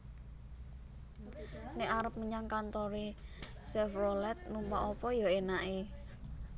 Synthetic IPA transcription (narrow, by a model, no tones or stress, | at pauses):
neʔaɾəp̚məɲaŋkant̪ɔɾe | sɛfrolɛt̪̚numpaʔɔpɔjɔenaʔe